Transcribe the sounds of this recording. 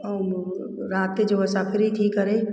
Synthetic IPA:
ɾaːt̪̚ked͡ʒoʋəsapʰɪɾɦit̪ʰiːkːɐɾei

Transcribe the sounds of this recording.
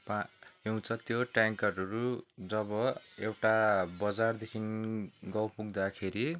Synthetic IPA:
paew̃t͡sʰʌt̪joʈaŋkʌrʌɾud͡zʌbʌewʈabʌd͡zard̪ekʰinɡʌwpuɡd̪akʰeɾi

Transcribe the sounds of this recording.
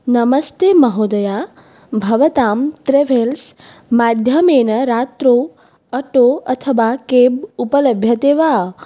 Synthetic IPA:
nɐməst̪emɐɦod̪ɐja | bʱɐʋət̪aːmt̪ɾeʋʱels | maːd̪ʱjəmeːnɐɾaːt̪ɾo | ɐʈoɐt̪ʰəʋakebupələbʱjɐt̪eːʋaː

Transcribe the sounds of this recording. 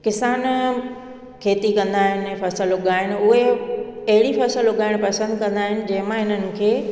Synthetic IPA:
kɪsaːn | kʰeːt̪ikɐ̃nd̪aːɦɪnɛ̃ːfɐsəlʊɠaːɦɪñɪ̆ʊɦeɐɦɪɽifɐsəlʊɠaːɪɽ̃pɐsə̃nd̪kɐ̃nd̪aːɦɪnɪ̆d͡ʑɐ̃ɦɪ̃mãɦɪn̤ənɪ̆kʰeː

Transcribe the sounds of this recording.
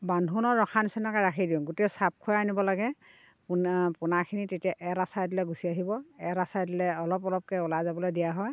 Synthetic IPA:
bandʱunɔɹːɔxʰansinakaɹakʰidiɔ̃ŋɡotɛsap̚kʰʊjaanibɔlaɡɛ | pnpunakʰinitetijaʔɛɾasajdilɛɡusiaɦibɔɛɾasajdilɛɔlɔpɔlɔp̚kɛulajzabɔlojdijaɦɔj

